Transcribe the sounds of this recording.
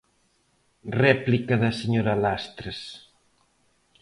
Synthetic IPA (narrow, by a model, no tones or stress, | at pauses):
rɛplikɐðɐseɲoɾɐlast̪ɾes